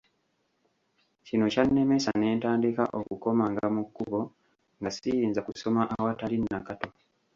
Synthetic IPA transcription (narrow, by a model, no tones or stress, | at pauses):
cino̞canːe̞me̞sane̞ːntaːndikaʔokuko̞maŋɡamukːuβo̞ | ŋɡasijiːnzakuso̞maʔawatalinːakato̞